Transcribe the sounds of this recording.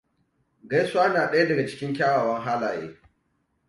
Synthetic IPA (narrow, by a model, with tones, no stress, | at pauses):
ɡɐ˦jsʊ˦aː˦naː˨ɗɐ˦ja˦dɐ˨ɡa˨t͡ʃɪ̥˦kʲɪ˦ŋkʲaː˦waː˨wɐ˦ŋɦaː˦laː˨jḛː˦